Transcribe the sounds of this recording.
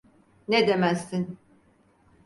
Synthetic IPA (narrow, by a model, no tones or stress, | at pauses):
ned̪emæsːin